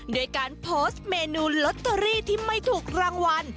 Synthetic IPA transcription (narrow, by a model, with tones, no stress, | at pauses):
do˧əjkaː˧npʰoː˦˥st̪̚meː˧nuː˧lo˦˥t̪ʰːa˧ɾiː˥˩t̪ʰiː˥˩ma˥˩jt̪ʰuː˨˩k̚ɾaː˧ŋwa˧n